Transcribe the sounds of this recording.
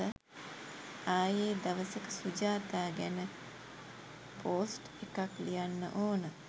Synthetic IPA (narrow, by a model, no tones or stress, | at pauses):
ə | aːjeːd̪aʋəsəkəsud͡ʒaːt̪aːɡænə | pʰoːsʈ | ekaklijanːə̰ʔoːnə